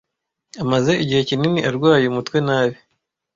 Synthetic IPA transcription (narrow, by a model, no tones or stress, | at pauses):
amaze̞iɟihe̞cininiʔaɾɡwaːjeumutwe̞naːβi